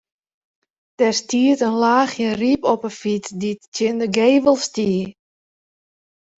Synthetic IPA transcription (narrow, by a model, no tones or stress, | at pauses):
d̥ɛrstiətənlaːxjəripɔpəfitdittjɪndəɡeːʋəlˠstiə